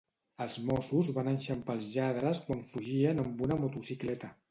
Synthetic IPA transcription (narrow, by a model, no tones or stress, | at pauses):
əlˠzmɔsuzβanənʃəmpəlˠzʎaðɾəskwaɱfuʒiənəmbunəmut̪usiklɛt̪ə